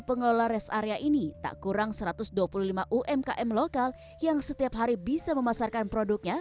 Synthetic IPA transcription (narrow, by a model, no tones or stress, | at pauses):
pəŋəlolaɾɛsaɾeaʔinit̪a̰ʔkuɾaŋsəɾat̪ʊsduapuluhlimaʔuʔɛmka̰ʔɛmlokal | jaŋsət̪iapɦaɾibisaməmasarkanpɾodʊk̚ɲa